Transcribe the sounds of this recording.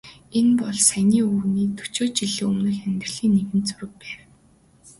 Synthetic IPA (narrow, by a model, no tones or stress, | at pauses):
enpɔɮsænʲiːuːniːt̪ʰɵ̥t͡ɕoːt͡ɕiɮɘ̆ɵmnɘ̆xæmʲt̪ɪ̆rɮiːnːeɣɘ̆nt͡sɵɾɘ̆k̚pæːw